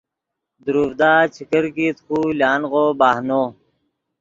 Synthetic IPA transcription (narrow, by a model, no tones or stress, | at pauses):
d̪uɾuːfd̪aːt͡ɕʰikəɾkiːt̪xuːljaːnɣoːbaːhnoː